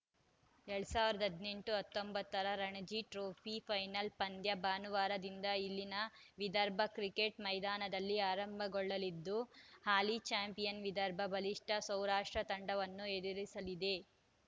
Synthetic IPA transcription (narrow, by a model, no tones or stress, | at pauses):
eɭɐsaːʋiɾɐd̪ɐɐd̪ne̞ɳʈuɐt̪ːombɐt̪ːɐɾɐɾɐɳɐd͡ʒiʈɾoːpʰipʰɐjnɐlpɐnd̪jɐbaːnuʋaːɾɐd̪ind̪ɐilːinɐʋid̪ɐɾbʱɐkɾikeʈmɐjd̪aːnɐd̪ɐlːiaːɾɐmbʱɐɡɔɭːɐlid̪ːuhaːlit͡ʃaːmpijɐnʋid̪ɐɾbʱɐbʱɐliʂʈʰɐsɐwɾaːʂʈɾɐt̪ɐɳɖɐʋɐnːued̪iɾisɐlid̪e̞